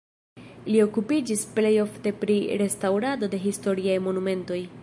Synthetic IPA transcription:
lio̞kupid͡ʒisple̞jo̞fte̞pɾiɾe̞stawɾado̞de̞ɦisto̞ɾiajmo̞nume̞nto̞j

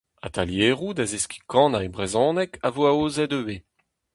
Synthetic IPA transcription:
a̰t̪ʰaljeːʁud̪azeski̥kɑ̃ːnaebʁezɔ̃ːnɛkavoaoːzɛdøve

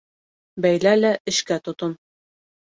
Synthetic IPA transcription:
bæjlælæʔɘ̆ʃkæt̪ŏt̪ɤn

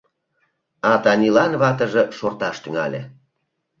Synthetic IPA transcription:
ɑt̪ɑnilɑnβɑt̪ə̆ʒĕʃort̪ɑʃt̪yŋɑ̰lʲḛ

